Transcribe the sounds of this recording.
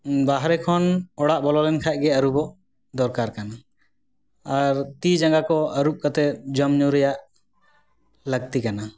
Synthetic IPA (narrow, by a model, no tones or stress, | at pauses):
baɦɾɛkʰɔnɔɽaʔbɔlɔlɛnkʰac̚ɡɛəɾubɔʔ | d̪ɔɾkaɾkana | ɾt̪id͡ʒaŋɡakɔəɾup̚kat̪ɛd͡ʒəmɲuɾɛjaʔ | ləɡ̚t̪ikana